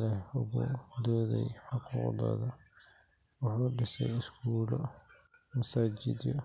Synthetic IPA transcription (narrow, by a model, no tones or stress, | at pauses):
lɛhʊɣʊ̰d̪ɔːðɛ̰jħɑquːqd̪ɔ̰ːðɐ | wɑħuːɖɪsɛ̰jɪskuːlɔ | mɐsaːd͡ʒɪ̰d̪jɔ